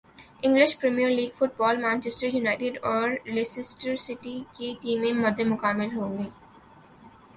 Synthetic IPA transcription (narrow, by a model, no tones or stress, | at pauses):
ɪ̃ŋɡlɪʃpɾɛmijəɾliːɡfʊʈ̚bɔːlmãːnt͡ʃesʈɾəjunaːɪʈɪɖɔːɾlesɪsʈəɾsɪʈikeʈiːmẽmɐd̪ʱːemʊkaːmɪlɦõːŋɡeː